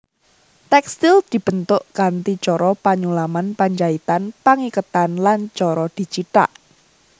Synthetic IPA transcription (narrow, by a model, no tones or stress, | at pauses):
t̪ɛkst̪ild̪̥i̤b̥ənt̪ʊʔɡ̥ant̪it͡ʃɔɾɔpaɲulamanpaɲd͡ʒait̪anpaŋikət̪anlant͡ʃɔɾɔd̪̥i̤t͡ʃiʈa̰ʔ